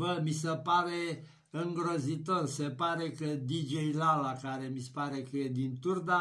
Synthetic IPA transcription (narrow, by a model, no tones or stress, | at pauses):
bəmisepaɾe | ɨŋɡɾəzit̪orsepaɾekəd̪id͡ʒejlalakaɾe̞mispaɾekəed̪int̪urd̪a